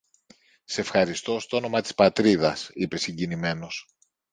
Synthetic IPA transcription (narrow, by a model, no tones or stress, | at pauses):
sefxɐɾist̪o̞st̪oono̞mɐt̪i̥spɐt̪ɾiðɐsipe̞siɲɟinime̞no̞s